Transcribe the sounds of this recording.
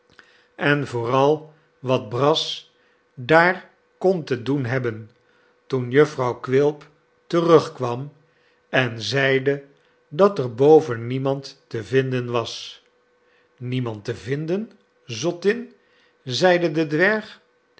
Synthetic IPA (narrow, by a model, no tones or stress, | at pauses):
ɛnvʊːrɑlˠ | ʋɑd̚brɑs | daːr | kɔntədunɦɛbən | tunjɵfrɑwkʋɪlˠp | tərɵχkʋɑm | ɛnzɛjdə | dɑtəɹbowvənːimɑntːəvɪndənʋɑs | nimɑntəvɪndən | zɔtɪn | zɛjdədədʋɛɹχ